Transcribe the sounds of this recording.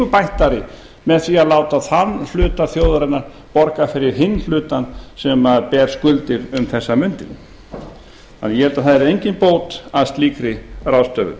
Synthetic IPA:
ʏpajht̪aɾɪ | mɛðθviaðlaːwt̪aðθanːflʏːt̪aθjoːwðaɾɪnːaɾ | pɔɾkafɪɾɪɾ̥ɦɪnːl̥ʏːt̪ansɛmaðpɛːɾ̥skʏlt̪ɪɾʏmθɛsːamʏnt̪ɪn | anːjɛɛlt̪aθaðɛɾejɲcɪnpoːwt̪aðst̪liːkɾɪrawst̪œɣðʏ̰

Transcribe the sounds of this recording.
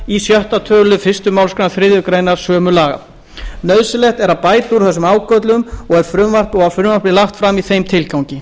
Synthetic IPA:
isjœht̪at̪ʰœːɣlʏfɪst̪ʏmawlskɾnaθɾɪːðʏkɾeːjnaɾ̥sœːmʏlaːɣa̰ | nœðsɪlɛht̪ɛɾaðpaːjt̪uɾθɛsːʏmaːwkœt̪lʏʏmɔɣɛɾ̥fɾʏmvar̥p̪ɔɣaðfɾʏmvarpɪlaxt̪fɾamiθejmt̪ʰɪlkawɲcɪ

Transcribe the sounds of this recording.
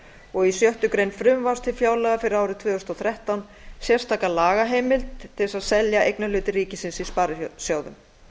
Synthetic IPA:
ɔɣisjœht̪ʏkɾejnfɾʏmvaɾ̥st̪ʰɪlfjaːwlɛɣafɪɾɪɾaːwɾɪðt̪ʰvʏːʏʏst̪ɔθɾɛht̪awn | sjɛr̥st̪ʰaːkalaːɣaɦeːjmɪlt̪ʰːɪsaðsɛljaʔejknalʏːt̪ɪriːcɪsɪnsispaɾɪsjaːwðʏ̰m

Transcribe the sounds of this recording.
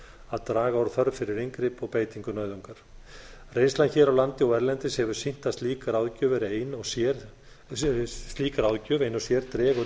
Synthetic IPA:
aðt̪ɾaːɣaawɾ̥θœɾfɪɾɪɾiŋkɾɪpɔɣpeːjt̪iŋkʏnœːɥðɔŋkaɾ̥rejnslançɛːɾawlant̪ɪɔwɛɾlɛnt̪ɪshɛvʏ̥sin̥t̪ast̪liːkaɾaːwðcœːvɪɾejnɔsɛ | st̪liːkaɾawðcœːvejnɔsjɛɾt̪ɾɛːɣɔ

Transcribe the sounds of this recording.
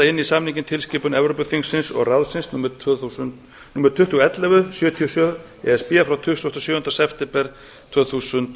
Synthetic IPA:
aɪnːisamniɲcɪnt̪ʰɪlscɪːpʏnɛvɾopʏθiŋsɪnsɔ̰ɣraðsɪnsnumθunt̪ | nuːmɛɾ̥t̪ʰʏht̪uɛt̪lɛvʏsjʏːt̪ʰiɔsjœ | ɛ̰ɛspɪafɾawt̪ʰʏst̪ʏhst̪ɔsjʏːʏnt̪asɛft̪ɪmpɛɾ̥ | t̪ʰvœːθuːsʏnt̪

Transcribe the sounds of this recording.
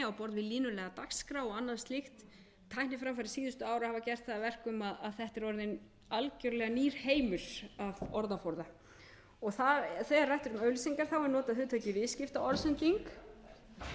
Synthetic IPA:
awpɔɾðvɪðliːnʏlɛːɣat̪akskɾawɔɣanːaðst̪lɪxt̪ʰː | ajhnɪfɾamfaɾɪsiːðʏst̪ʏaːwɾahavacɛr̥t̪θaðavɛr̥kʏmaðaðθɛht̪ɛɾɔɾðɪn | alcœɾlɛːɣaniːɾ̥heːjmʏɾ̥avɔɾðafowɾða | ɔɣθaθɛːɣaɾrajht̪ʏɾʏmœɥlsiŋkaɾ̥θawɛɾnɔːt̪aðhʏːt̪ʰœcɪvɪscɪft̪aʔɔɾsɛnt̪iŋk

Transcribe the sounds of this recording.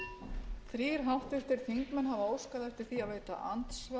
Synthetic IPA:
θɾiːɾ̥ɦawht̪ɪft̪ɪɾ̥θiŋkmɛnɦavaoːwskaðɛft̪ɪɾ̥θiaðveːjt̪a̰ʔant̪sva

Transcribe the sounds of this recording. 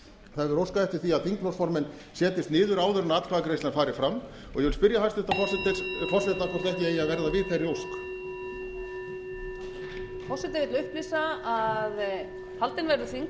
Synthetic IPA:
θaðɾowskaɛft̪ɪɾ̥θiaðθiŋklɔsfɔɾmɛn | sjɛːt̪ɪst̪nɪːðʏɾaːwðʏɾʏnat̪lkʰvaðakɾejslanfaːɾɪ̥fɾamː | ɔ̰ɣjɛvɪlspɪɾjahajst̪ɛ̥t̪afɔsɪt̪ɪfɔsɛt̪akʰɔst̪ɛhcɪɛiaðvɛɾðavɪðθerːɪowsk | fɔsɪt̪ɪɾvɪt̪lʏhplisaað | halt̪ɪnvajɾʏθiŋ

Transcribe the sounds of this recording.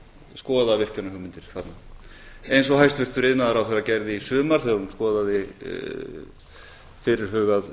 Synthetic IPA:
skɔːðaðvɪr̥canahʏɣmɪnt̪ɪɾ̥θat̪na | ejns̬ɔɦajst̪vɪr̥t̪ʏɾɪðnaðaɾawθɛjɾacɛɾðɪisʏːmaɾ̥θɛɣaɾunskɔːðaðɪ̰ | fɪɾɪɾ̥ɦœːɣað

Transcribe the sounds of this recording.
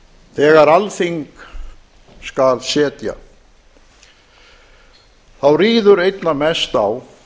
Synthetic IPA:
θɛːɣaɾalθiŋk | skalsɛːt̪ja̰ | θawriːðʏɾejt̪namɛst̪aw

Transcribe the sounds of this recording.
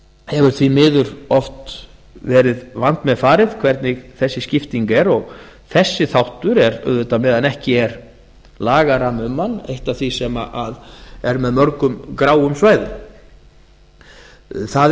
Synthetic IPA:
hɛvʏɾ̥t̪ʰvimɪːðʏɾɔft̪ | vɛːɾɪðvan̥t̪mɛðfaːɾɪðkʰvɛɾt̪nɪɣθɛsːɪscɪft̪iŋkɛɾɔɣθɛsːɪθawht̪ʏɾɛɾʏ̰ðʏt̪amɛːðanɛhcɪɛɾ | laːɣaɾamʏmːanːḛjht̪avθvisɛma̰ʔaðɛɾmɛðmœɾkʏmkɾaːwʏmsvaːjðʏ | θað

